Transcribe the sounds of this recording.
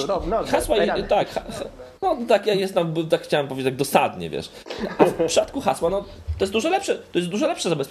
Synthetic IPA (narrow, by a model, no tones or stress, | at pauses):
xaswat̪akxax | nɔt̪akjajɛst̪amt̪akxt͡ɕawɛmpɔvʲed͡ʑetːaɡd̪ɔsad̪ɲɛ̰vʲjɛ̰ʂ | afpʂat̪kuxaswanɔ | t̪ɔjɛst̪d̪uʐɔlɛpʂɛt̪ɔjɛst̪d̪uʐɔlɛpʂɛzabɛsp